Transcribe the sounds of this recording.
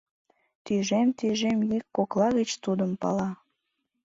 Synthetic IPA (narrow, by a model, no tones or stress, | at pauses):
t̪yʒemt̪yʒemjykːoklɑɣət͡ɕt̪ud̪əmpɑ̰lɑ